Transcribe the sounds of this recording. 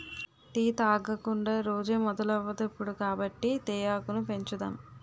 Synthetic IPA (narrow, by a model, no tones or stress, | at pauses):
ʈ̪iːt̪aːɡɐkuɳɖaːɾoːd͡ʒeːmɔd̪ɐlɐʋːɐd̪ɐpːuɽukaːbɐʈːit̪ɛːjaːkunupe̞ɲt͡ʃud̪a̰ːm